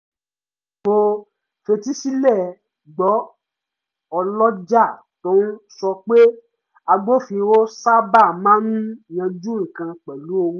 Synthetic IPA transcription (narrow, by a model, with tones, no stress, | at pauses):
ɡ͡bo˧ | fe˧ti˦si˦lɛ˦˨ | ɡ͡bɔ˨˦ | ɔ˧lɔ˦d͡ʒa˦˨ | tõ˦nũ˦sɔ˧k͡pe˦ | a˧ɡ͡bo˦fĩ˧wo˦sa˦ba˦˨mãː˦nũ˦˨j̃ã˧d͡ʒũ˦˨kã˧k͡pɛ˨lu˨˦o˧wũ˦